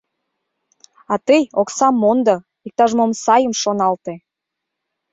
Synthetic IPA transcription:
ɑt̪əjoksɑmːond̪ɤ | ik̚t̪ɑʒmomsɑjəmʃonɑlt̪e

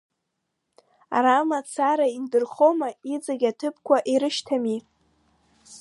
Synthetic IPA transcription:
a̰ɾamat͡sʰaɾaindɨrχomaid͡zaɡʲatʰɨpʰkʷʰaʔiɾɨʃtʰami

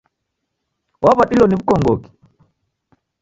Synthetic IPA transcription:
wʔaβaɗilɔniβukɔŋɡɔki̥

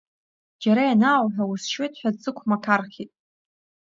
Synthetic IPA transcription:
d͡ʒaɾajanaːwħʷᶣawusʃwejtʰʼħᶣadzɨkʷʰmakʰarχʲitʼ

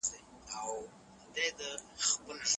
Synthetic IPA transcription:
e | aw | d̪ed̪əxpəlʂ

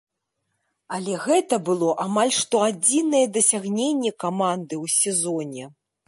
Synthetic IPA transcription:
alʲɛɣɛt̪ɐbɨlˠɔʔamalʲʂt̪ɔad͡zʲinɐjɛd̪ɐsʲaɣnʲenʲːɛkamand̪ɨwsʲɛzɔnʲɛ

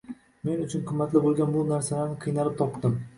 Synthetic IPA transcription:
me̞nʊt͡ʃʰʊnqʰʊmːat̪lɪbolˠɡʲanbʊnaɾsalaɾnɪqʰɨjnalɪp̚t̪ʰɒpd̪ɪm

